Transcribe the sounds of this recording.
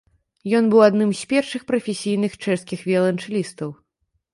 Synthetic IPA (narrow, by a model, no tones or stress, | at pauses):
jɔnbɨwad̪nɨmsʲpʲɛrʂɨxpɾɐfʲesʲijnɨxt͡ʂɛʂskʲixvʲɛlˠɐnt͡ʂɨlʲist̪ɐw